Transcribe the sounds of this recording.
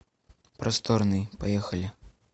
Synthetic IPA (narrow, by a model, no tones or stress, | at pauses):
pɾʔɐst̪ɔɾnɨjpajɛxɐlʲi